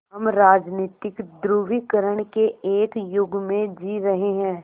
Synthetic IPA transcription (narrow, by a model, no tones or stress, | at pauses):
ɦɐmɾaːd͡ʒniːt̪ɪkd̪ɾuːʋikəɾəɽ̃keeːkjʊɡmẽd͡ʒiːɾɐɦeɦɛ̃ː